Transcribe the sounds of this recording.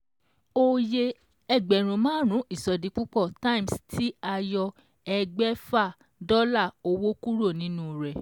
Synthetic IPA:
o˦je˧ | ɛ˧ɡ͡bɛ˨ɾ̃ũ˨mãː˦ɾ̃ũ˨˦ʔi˦˨sɔ˨dĩ˨˧˦k͡pu˦k͡pɔ˦˨ta˦ĩ˨mstʰi˦a˧jɔ˧ | ɛ˧ɡ͡bɛ˦fa˦˨ | dɔ˦la˦˨o˧wo˦ku˦ɾo˦˨nĩ˦nũ˦ɾɛ˨

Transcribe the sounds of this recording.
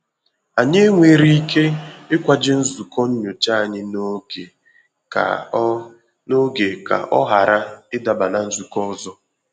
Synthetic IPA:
a˨ɲe˦ŋʷe˨ɾi˦i˦ke˦ɪ˦kʷa˨d͡ʒɪ˦n̩˦zu˨kɔ˦ɲ̩˦ɲo˨t͡ʃa˦a˨ɲɪ˦n˦ɡe˨ | ka̰˨ | no˦ɡe˨ka̰˨ʔɔ˦ɦa˨ɾa˦ɪ˦da˨ba˨na˨n̩˦zu˨kɔ˦ɔ˦zɔ˦

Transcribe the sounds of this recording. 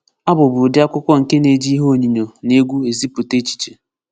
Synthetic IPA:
a˦bʊ˨bʊ˨dja˦kʷʊ˦kʷɔ˦ŋ̩˨ke˦ne˨d͡ʒi˦ɦo˦˨ɲi˨ɲo˨ne˦ɡʷu˦e˨zi˦po˨te˦t͡ʃi̥˨t͡ʃe˨

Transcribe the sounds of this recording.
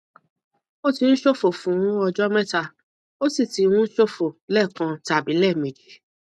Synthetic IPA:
o˦˨ti˧n̩˦ʃo˦˨fo˨fũ˨˦ũ˦ɔ˧d͡ʒɔ˦mɛ̃˦ta˧˨ | o˦si˦˨ti˨˧˦wũ˦n̩˦ʃo˦fo˨lɛ˦˨kã˧ta˨bi˨˦lɛ˦˨mẽ˨d͡ʒi˨˦

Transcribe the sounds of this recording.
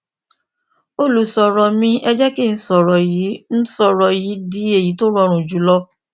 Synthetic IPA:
o˦lu˨sɔ˨ɾɔ˨mĩ˧ʔɛ˧d͡ʒɛ˦ki˦˨n̩˦sɔ˨ɾɔ˨ji˨˦ñ̩˦sɔ˧ɾɔ˧ji˨˦di˨˦e˦˨ji˨˦to˦ɾɔ˧˦˧ɾ̃ũ˨d͡ʒu˨˦lɔ˦

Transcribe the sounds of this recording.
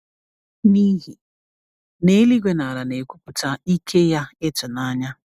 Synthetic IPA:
niː˦ɦi˨ | ne˨˦li˦ɡʷe˦na˨ɾa˨ne˨kʷu˦pu˨t͡sa˦i˦kʰe˦ja˦e˦t͡ʃɔ˨na˦ɲa˦

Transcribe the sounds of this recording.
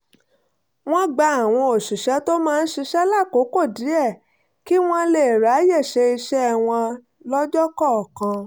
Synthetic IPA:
w̃ɔ̃˦ɡ͡ba˧a˨w̃ɔ̃˧o˨ʃu˨ʃɛ˨˦to˦mãː˦˧n̩˦ʃi˧ʃɛ˦la˦˨ko˨˦ko˦˨di˨˦ɛ˦˨ | ki˦w̃ɔ̃˦le˦˨ɾa˨˦jɛ˦˨ʃe˧i˧ʃɛ˦˨w̃ɔ̃˧ | lɔ˦d͡ʒɔ˦kɔ˦˨kã˧

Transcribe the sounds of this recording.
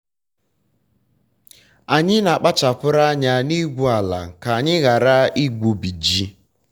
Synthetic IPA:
a˨ɲɪ˦na˨k͡pa˦t͡ʃa˨pʊ˦ɾa˦ɲa˨ni˦ɡʷu˨a˨la̰˨ka˨a˨ɲɪ˦ɣa˨ɾa˦i˦ɡʷu˨bi˨d͡ʒi˦

